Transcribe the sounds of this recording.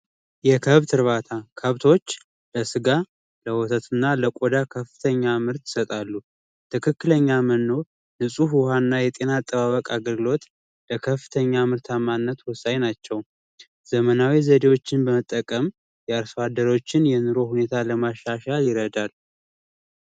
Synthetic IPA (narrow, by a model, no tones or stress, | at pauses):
jɛkʰəβt̪ʰɨɾβat̪ʰakʰəβt̪ʰo̞t͡ʃː | ləsɨɡa | ləwɔt̪ʰət̪ɨnːaləkʼod̪akʰəfːɨ̥t̪ʰəɲːamɨɾt̪ɪ̥sət̪ʼalːu | t̪ʰɨkʰɨkːɨləɲːamənːo̞ɾ | nɨsʼufhanːajɛt̪ʼe̞nat̪ʼːəβaβəkʼaɡəlɡɨlo̞t̪ | ləkʰəfːɨ̥t̪ʰəɲːamɨɾt̪ʰamanːət̪wʊsːaɲnat͡ʃːɛw | z̥əmənawizəd̪e̞wot͡ʃːɪnbəmət̪ʼːəkʼəm | jɛaɾsad̪əɾo̞t͡ʃːɪnjɛnɨɾo̞hune̞t̪ʰaləmaʃːaʃaljɪɾəd̪al